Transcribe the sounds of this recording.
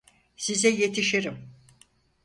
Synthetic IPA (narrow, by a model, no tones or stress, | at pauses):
sizɛje̞t̪ʰiʃiɾim